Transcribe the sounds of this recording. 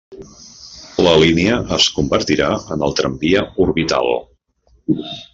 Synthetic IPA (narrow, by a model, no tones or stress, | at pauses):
ləliniəʔəskumbəɾt̪iɾaənəlˠt̪ɾəmbiəuɾβit̪a̰lˠ